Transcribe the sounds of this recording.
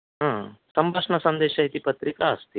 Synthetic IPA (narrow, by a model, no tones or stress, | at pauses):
ɦãːsɐmbʱɐʂɳɐsɐnd̪eːʃɐit̪ipɐt̪ɾikaːst̪i